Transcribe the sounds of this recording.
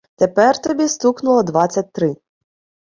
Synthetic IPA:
t̪epɛrt̪ɔbʲist̪uknʊlˠɔd̪ʋɑt͡sʲːɐt̚ʲt̪ɾɪ

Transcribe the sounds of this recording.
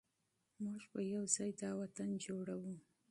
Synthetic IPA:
muʒpəjawzɑjd̪ɑwat̪and͡ʒoɽawu

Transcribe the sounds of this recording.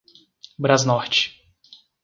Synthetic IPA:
bɾaznɔɾt͡ʃɪ̥

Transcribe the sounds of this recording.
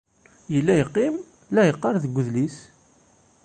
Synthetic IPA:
jəlːæjqːim | læjəqːɑɾˤðəɡʷːəðlis

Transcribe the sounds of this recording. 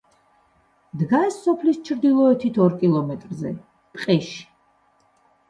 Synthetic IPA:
d̪ɡasːɔpʰlist͡ʃʰɾd̪ilˠɔɛt̪ʰit̪ʰɔɾkʼilˠɔmɛt̪ʼɾzɛ̰ | pʼqʼɛʃi̥

